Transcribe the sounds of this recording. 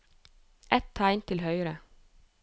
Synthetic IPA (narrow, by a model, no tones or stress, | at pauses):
ʔɛt̪t̪ʰɑɪnt̪ʰɪlhœʏɾə